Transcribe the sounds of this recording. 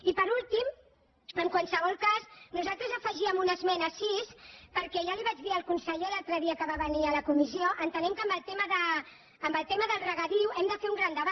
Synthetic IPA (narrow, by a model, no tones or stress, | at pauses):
ipəɾulˠt̪im | əŋkwalsəβ̞ɔlˠkaznuzalˠt̪ɾəzəfəʒiəmunəzmɛnəsispəɾkɛʒaliβ̞ad͡ʒðiəlˠkunsəʎelalˠt̪ɾəðiəkəβaβəniələkumisioʔənt̪ənɛmkəmbəlˠt̪eməðəː | mbəlˠt̪eməðəlˠrəɣəðiwʔɛmd̪əfeɾuŋɡɾand̪əβa